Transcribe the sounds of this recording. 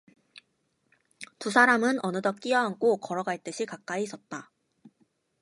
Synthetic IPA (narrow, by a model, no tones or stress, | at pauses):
tusʰaɾamɯnʔʌnɯdʌk͈iʌɦaŋkʰokʌɾʌɡaɭt͈ɯɕʰikak̚k͈aiːs͈ʌt̚t͈a